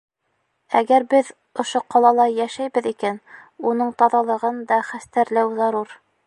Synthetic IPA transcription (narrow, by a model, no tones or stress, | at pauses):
æɡæɾbɘð | ŏʃoqɑlˠɑlˠɑjæʃæjbɘðikænunɤɴt̪ɑðɑlˠɤ̆ʁɤnd̪ɑχæst̪æɾlæwzɑɾuɾ